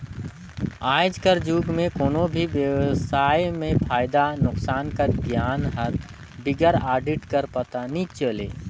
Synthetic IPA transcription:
aːɪd͡ʒkəɾd͡ʒuɡmẽkoːnobʱiʋjəwsajmẽpʰaːɪd̪anʊksaːnkəɾɡjanɦəɾ | biɡəɾaːɖiʈkəɾpət̪anĩt͡ʃəle

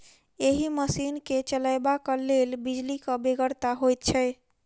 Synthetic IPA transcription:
eɦiməsinket͡ʃəlajbakəlelbid͡ʒlikəbeɡəɾt̪aɦojt̪t͡ʃʰɛj

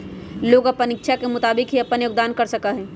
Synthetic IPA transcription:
loːɡɐpənɪkʃʰakemʊt̪aːbɪkɦiɐpənjoːɡ̚d̪aːnkɐɾsɐkaɦɛː

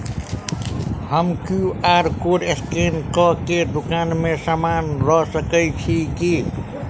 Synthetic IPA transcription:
həmkuaːɾkoːɾeskenkɔked̪ukaːnmẽsaːmaːnɾɔsəkəjt͡ʃʰiki

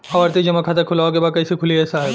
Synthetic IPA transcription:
ɔɐɾt̪ed͡ʒɐmakʰaːt̪akʰʊlaːokebaːd̪̚kɐɪsikʰʊliɦɛsaːe

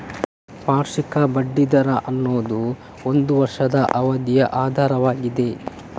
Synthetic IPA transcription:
paːɾʂikɐbɐɖːid̪ɐɾɐʔɐnːoːd̪u | ond̪uʋɐɾʂɐd̪ɐʔɐʋɐd̪jɐʔaːd̪ʱaːɾɐʋaːɡid̪e̞

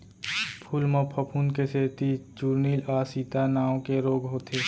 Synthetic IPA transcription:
pʰulmə̃pʰəpʰuːnkeseːt̪it͡ʃuːɾniːlaːsit̪anaːõkeɾoːɡɦoːt̪ʰeː

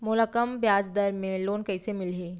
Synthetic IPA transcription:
mʊləkəmbjaːd͡ʒd̪əɾmẽloːnkɛːsemɪlɦeː

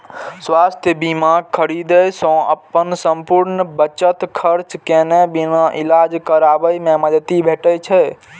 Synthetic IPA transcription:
swast̪ʰjəbimaɡ̚kʰːəɾid̪əjsə̃ə̰pːənsə̃mpuɾnəbət͡ʃət̪kʰəɾt͡ʃkenebinaʔilad͡ʒkəɾabəjmeməd͡ʒ̪ət̪ibʱeʈət͡ʃʰɛ

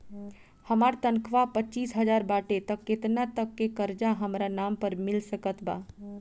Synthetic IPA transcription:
həmaːɾt̪ənkʰʋapətːt͡ʃiːsɦəd͡ʒaːɾbaːʈet̪əkːet̪nat̪əkːekəɾd͡ʒaɦəmɾanaːmpəɾmɪlsəkət̪baː

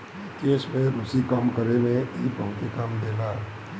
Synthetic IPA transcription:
keːsmẽɾʊsikamkəɾemẽipəɦʊt̪ekamd̪eːlaː

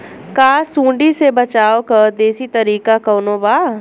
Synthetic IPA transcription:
kaːsũːɳɖisebɐt͡ʃaːokɐɾd̪eːsit̪ɐɾiːkakɐːnoːbaː

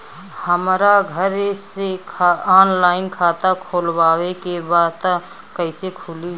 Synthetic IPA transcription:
həmɾaɡʱəɾsekʰaaːnlaːɪnkʰaːt̪akʰoːlbaːwekebaːd̪t̪a | kəɪsekʰʊːli

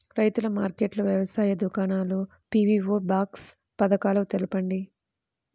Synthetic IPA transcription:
ɾɐjt̪ulɐmaːɾkeːʈlɐʋjɐʋɐsaːjɐd̪ukaːnaːlu | piʋiːʋoːbaːks | pɐd̪ɐkaːlɐt̪elɐpɐɳɖi

